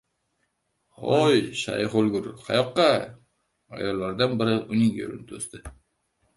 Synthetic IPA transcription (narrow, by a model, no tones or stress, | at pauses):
ojʃɑ̰jχolɡʊɾqʰɑjɒqːɑ | ɒ̰jɒlˠːɑɾd̪ɑnbɪɾɪʊnɪŋḛɾɪ̰nt̪ʰɵst̪ɪ